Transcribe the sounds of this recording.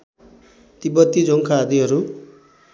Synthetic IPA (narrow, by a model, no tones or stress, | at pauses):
t̪ibʌt̪ːid͡zoŋkʰaːd̪iɦʌɾu